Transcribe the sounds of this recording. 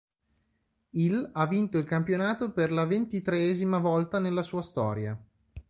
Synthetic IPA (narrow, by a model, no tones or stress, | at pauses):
ilavːint̪oilkampjonaːt̪operlavent̪it̪ɾeɛːzimavɔlt̪anelːasuːast̪ɔːɾja̰